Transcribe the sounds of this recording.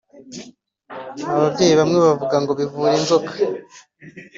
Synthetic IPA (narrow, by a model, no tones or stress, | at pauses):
aβabɟeːjiβamŋeβavuɡaŋɡo̞βivuːɾenzo̞kḁ